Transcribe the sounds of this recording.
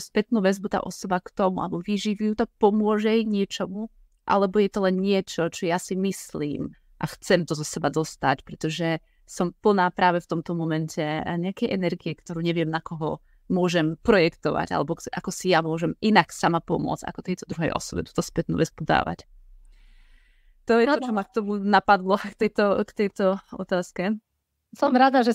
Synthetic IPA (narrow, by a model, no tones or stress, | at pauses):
uspɛt̪nuːʋɛzbut̪a̰ːʔɔsɔbakt̪ɔmua̰lɛbɔʋiʒiʋujut̪ak̚pɔmʊɔʒɛɲɪɛt͡ʃɔmu | ʔa̰lɛbɔjɛt̪ɔlɛnɲɪɛt͡ʃɔt͡ʃɔjasimislḭːm | ʔaxt͡sɛmt̪ɔzɔsɛbad̪ɔst̪acpɾɛt̪ɔʒɛ | sɔmpl̩naːpɾaːʋɛft̪ɔmt̪ɔmɔmɛncʰɛɲɛakɛjʔɛnɛɾɡiɛkt̪ɔɾuːɲɛʋɪɛmnakɔɦɔ | mʊɔʒɛmpɾɔjɛkt̪ɔʋa̰ɟa̰lɛbɔkʔakɔsijamʊɔʒɛminaksamapɔmʊɔ̰d͡za̰kɔ̥t̪ɛjt̪ɔd̪ɾuɦɛ̰jʔɔ̰sɔbɛt̪u̥ːt̪ɔspɛt̪nṵʋɛt͡sbud̪a̰ːʋa̰c | t̪ɔjɛt̪ɔt͡ʃɔmak̚t̪ɔmunapad̪lɔkt̪ɛjt̪ɔkt̪ɛjt̪ɔɔ̰t̪aːskɛ | sɔmɾad̪aʒɛ